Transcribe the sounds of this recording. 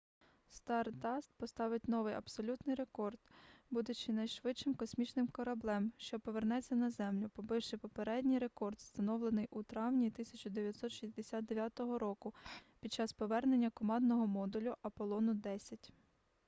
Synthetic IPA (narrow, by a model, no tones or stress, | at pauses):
st̪ɑrd̪ɑst̪̚pɔst̪ɑʋɪtʲnɔʋɪjɐ̰bsɔlʲut̪nɪjɾe̞kɔrd̪bud̪ʊt͡ʃɪnɐjʃʋɪt͡ʃɪmkɔsʲmʲit͡ʃnɪmkɔɾɐblˠɛmʃt͡ʃɔpɔʋernɛt͡sʲːɐnɐzɛmlʲʊpɔbɪwʃɪpɔpeɾɛdʲnʲijɾe̞kɔrd̪st̪ɐnɔwlˠenɪjʔut̪ɾɑwnʲit̪ɪsʲɐt͡ʃʊd̪eʋʲjɐt̪sɔt̪ʃizʲd̪esʲat̪̚d̪eʋʲjɑt̪ɔɦɔɾɔkʊpʲid̪̚t͡ʃɑspɔʋɛrnenʲːɐkɔmɑnd̪nɔɦɔmɔd̪ʊlʲʊʔɐpɔlˠɔnʊd̪ɛsʲɐtʲ